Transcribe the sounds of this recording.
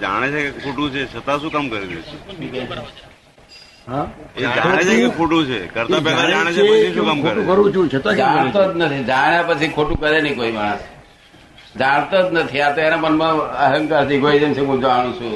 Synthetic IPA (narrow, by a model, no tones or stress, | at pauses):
d͡ʒa̰ɽ̃et͡ʃʰekekʰoʈũt͡ʃʰet͡ʃʰət̪aʃũkamkəɾiet͡ʃʰe | ɦãed͡ʒaõet͡ʃkekʰoʈũt͡ʃʰekəɾt̪apɛlad͡ʒaɽ̃et͡ʃʰeepət͡ʃʰiʃũkamkʰoɾũkəɾʋũt͡ʃũt͡ʃʰət̪ad͡ʒãt̪od͡ʒnət̪ʰid͡ʒaɽ̃japət͡ʃʰikʰoʈũkəɾenəĩkoimaɽəs | d͡ʒaɽ̃t̪od͡ʒnət̪ʰiat̪oenamənmãəɦəŋkat̪iɡʱoid͡ʒemt͡ʃʰekõd͡ʒʋaɽ̃ũsu